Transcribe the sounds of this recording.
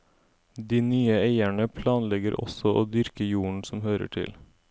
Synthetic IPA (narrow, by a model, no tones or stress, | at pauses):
d̪iːnyːəeɪæɳəpʰlɑːnlɛɡəɾʔɔ̰sɔʔoːd̪ʏɾkəjuːɳ̩sɔmhøːɾə̰ʈʰɪ̰l